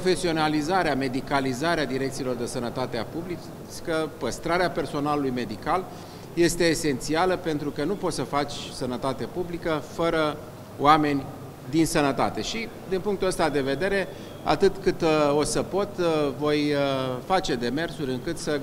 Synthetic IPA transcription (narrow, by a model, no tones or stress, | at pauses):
pofe̞sio̞nalizaɾeame̞d̪ikalizaɾead̪iɾekt̪silo̞rd̪esənət̪at̪eapublit͡ʃ | kəpəst̪ɾaɾeape̞rso̞nalulujme̞d̪ikal | je̞st̪e̞ːse̞nt̪sialəpe̞nt̪ɾukənupo̞t̪səfat͡ʃʲsənət̪at̪e̞publikəfəɾə | o̰ame̞nʲ | d̪insənət̪a̰t̪e̞ʃi | d̪inpuŋk̚t̪uəst̪ad̪e̞ve̞d̪e̞ɾe̞ | a̰t̪ɨt̪kɨt̪o̞səpo̞t̪vo̞jfat͡ʃe̞d̪e̞me̞rsuɾʲɨŋkɨt̪sə